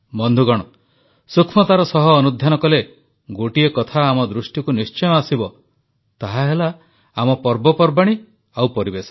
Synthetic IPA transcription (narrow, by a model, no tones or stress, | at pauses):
mɔnd̪ʱuɡɔɽ̃ɔ | sukʰmɔt̪aɾɔsɔɦɔːnud̪ʱjanɔkɔle | ɡoʈiekɔt̪ʰaːmɔd̪ɾusʈikunist͡ʃɔjɔasibɔ | t̪aɦaɦela | amɔpɔɾbɔpɔɾbaɽ̃i | awpɔɾibesɔ̥